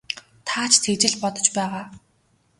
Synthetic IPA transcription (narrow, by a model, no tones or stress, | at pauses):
t̪ʰaːt͡ɕʰt̪ʰet͡ɕɪ̆ɮpɔt̪ɞ̥̆t͡ɕpæːʁaː